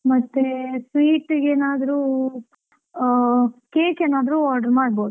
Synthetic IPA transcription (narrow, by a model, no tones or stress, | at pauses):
mɐt̪ːesʋiːʈeːnaːd̪ɐɾuː | keːkeːnaːd̪ɐɾuaːɾɖɐɾmaːɖ̚boːd̪u